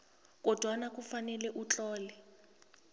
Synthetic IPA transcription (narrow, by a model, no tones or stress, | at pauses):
kʼɔd̥ʱwanak̬ʼufanɛlɛʔut͡ɬʼɔːlɛ